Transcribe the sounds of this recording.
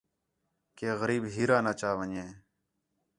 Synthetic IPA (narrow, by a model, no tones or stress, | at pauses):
keːɣəɾiːbɦiːɾãːnaːt͡ʃaːʋəɲẽː